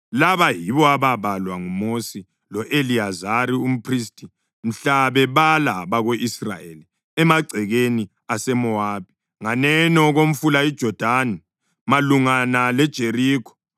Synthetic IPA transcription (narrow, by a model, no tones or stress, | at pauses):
laβajiβɔaβaβalwaŋumosi | lɔʔeliazaɾium̩pʰristʼi | m̩ɬaβɛβalaβaɣoʔisra̰jḛli | ɛmaɡ͡ǀʱɛɣeni | asɛmɔaːbʱi | ŋanɛnɔɣom̩fulaid̥ʒ̥ʱɔd̥ʱani | maluŋanalɛd̥ʒ̥ʱeriːkʰɔ̥